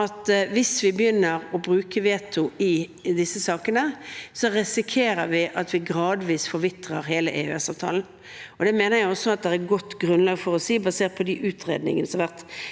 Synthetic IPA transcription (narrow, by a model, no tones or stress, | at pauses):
ɑt̪ʋɪsʋɪbəjʏnːəɾɔbɾʉːkəʋeːt̪ʰʊɪd̪ɪsːəsɑːkənəsɔʁɪsɪkʰeːɾəɾʋɪʔɑt̪ʰʋɪɡɾɑːd̪ʋiːsfɔɾʋɪt̪ʁəɾɦeːləʔeœ̰ɛsɑːʋt̪ʰɑ̰ːln̩ | ɔd̪ɛmeːnəjæɪɔsːɔɑt̪̚d̪ɛæɡɔt̪ːɡʁʉnlɑːɡfɔɾɔsiːbɑseːʁt̪̚pʰɔd̪iʔʉːt̪ʰʁḛːd̪nɪ̰ŋənəsɔmʋæʁt̪